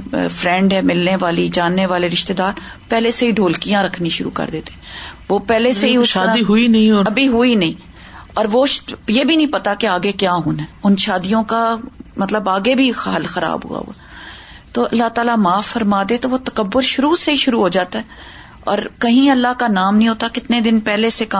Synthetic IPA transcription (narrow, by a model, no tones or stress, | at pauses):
fɾɛ̃ɳɖɛmɪlneʋaːlid͡ʒaːnːeʋaːleɾɪʃt̪eːd̪aːɾ | pɛːleseɦiɖʱoːlkijãɾɐkʰnĩʃʊɾṵkɐ̰ɾd̪eːt̪eɛʋopɛːleseɦiʊʃaãiɦʊinɐɦĩɔɐbʱiɦʊinɐĩː | ɔːɾʋoʃjeːbʱinɐ̃ɦĩpɐt̪akeaːɡekjaːɦʊːnɛːʊnʃaːd̪ijõkamɐt̪ləbaːɡebʱixɦɐlxɐɾa̰ːbɦṵa̰ɦo̰aː | t̪oːɐlːaɦt̪aːlamaːfːɐɾmaːd̪et̪oʋot̪ɐkəbːʊɾʃʊɾuseiʃʊɾuɦoːd͡ʒaːt̪aɦɛ | ɔ̰ːɾkɐɦĩɐlːakanaːmnɐɦĩɦoːt̪akɪt̪ned̪ɪnpɛːleseka